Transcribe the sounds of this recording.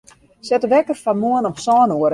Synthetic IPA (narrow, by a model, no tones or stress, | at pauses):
sɛtəʋɛkərfamoənɔmsɔːnoəɾ